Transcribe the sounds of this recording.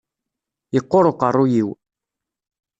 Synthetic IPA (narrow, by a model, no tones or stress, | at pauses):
jəqːoɾˤoqərˤːujiw